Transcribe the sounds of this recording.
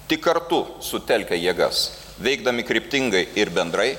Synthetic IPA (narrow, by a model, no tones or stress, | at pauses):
t̪ʲɪkːɐɾt̪ʊsʊt̪ʲɛlʲkʲɛjiɛɡɐ̰s | ʋʲɛɪɡ̚d̪ɐmʲɪkɾʲɪpʲt̪ʲɪŋɡɐɪɪɾbʲɛnd̪ɾɐɪ